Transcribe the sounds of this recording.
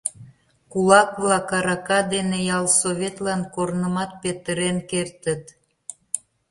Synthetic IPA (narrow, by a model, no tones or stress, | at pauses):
kulɑkβlɑkɑɾɑkɑd̪enejɑlsoβet̪lɑnkoɾnəmɑt̪̚pet̪əɾenkert̪ət̪